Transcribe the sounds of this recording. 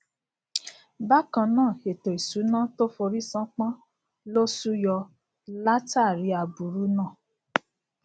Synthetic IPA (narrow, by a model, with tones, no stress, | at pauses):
ba˦kã˧nãː˦˨e˨to˨i˨su˨˦nã˦to˦fo˧ɾi˦sã˦k͡pã˦ | lo˦su˦jɔ˧ | la˦ta˦˨ɾi˨˧˦a˧bu˨ɾu˨˦nã˦˨